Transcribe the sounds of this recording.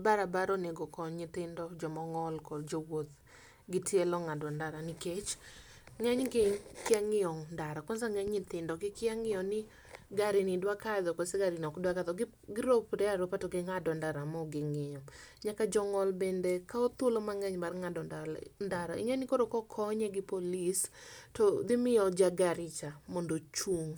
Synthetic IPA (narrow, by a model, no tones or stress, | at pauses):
baɾabaɾoneɡɔkɔɲɪt̪ɪndɔd͡ʒɔmɔŋɔlkɔd͡ʒowot̪ | ɡɪtjelɔŋadwɔndaɾaniket͡ʃ | ŋɛɲɡɪkɪaŋɪjɔŋndaɾakwɔnzaŋɛɲɲɪt̪ɪndɔɡɪkɪaŋɪɔnɪ | ɡaɾinidwakad̪ɔkoseɡaɾɪnɔkdwakaðɔɡɪ | ɡɪɾopɾɛaɾopatoɡɪŋadɔndaɾamɔɡɪŋɪɲɔɲakad͡ʒɔŋɔlbendekaot̪wolomaŋɛɲmarŋadɔndandaɾaɪ̰ŋɛnɪkoɾokɔkʰɔɲɛɡɪpolistɔd̪ɪmɪɔd͡ʒaɡaɾɪt͡ʃamondot͡ʃuŋ